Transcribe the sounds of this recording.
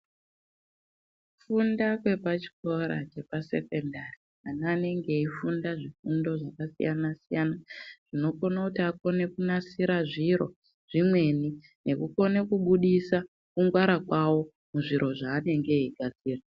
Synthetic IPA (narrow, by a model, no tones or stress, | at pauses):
fundakwe̞pat͡ʃi̥ko̞ɾa̰t͡ʃe̞pase̞̰ke̞ndari | anaːne̞ŋɡe̞ifundaʐifundo̞ʐakasḭjanasijanaʐ̥ino̞ko̞nakutiako̞ne̞kunasiɾaʐiɾo̰ | ʐ̥imwe̞ni | ne̞kuko̞ne̞kuɓuɗisa | kuŋɡwaɾakwawo̞ | muʐiɾo̞ʐaːne̞ŋɡe̞iɡʱad͡ziːra